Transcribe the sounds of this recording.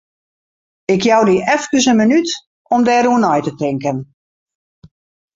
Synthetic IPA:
ɪkjɔwdiʔɛfkəsənmənyt | ɔmdɛːɾuənɔjtətɪŋkən

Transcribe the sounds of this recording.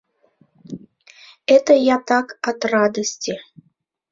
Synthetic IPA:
ɛt̪əjat̪akɐt̪rad̪əsʲt͡sʲi

